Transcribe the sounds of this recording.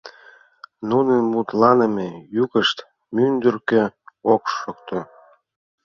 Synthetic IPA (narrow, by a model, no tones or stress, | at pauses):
nunənmut̪lɑnəmejuɣəʃt̪ | mynd̪ørkøokʃokt̪o